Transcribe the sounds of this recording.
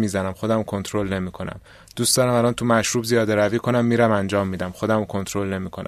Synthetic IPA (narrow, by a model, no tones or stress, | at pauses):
miːzænæmxo̞d̪æmkʰo̞nt̪ʰɾolne̞miːkʰo̞næ̰m | d̪uːsd̪̥ɒːɾæmælɒnt̪ʰumæʃɾuːbzijɒːd̪eɾæviːkʰo̞næmːiːɾæmænd͡ʒɒːmːiːd̪æmxo̞d̪æmkʰont̪ʰɾolne̞miːkʰonæ̰